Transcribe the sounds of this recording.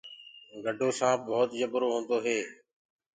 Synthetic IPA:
ɡəɖʱoːsãːboːt̪jəbɾoːɦõːnd̪oːɦeː

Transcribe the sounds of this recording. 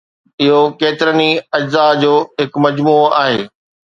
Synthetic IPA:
ɪɦokeːt̪ɪɾəniɐd͡ʑzad͡ʑoːɦɪkmɐd͡ʑmuːaːɦeː

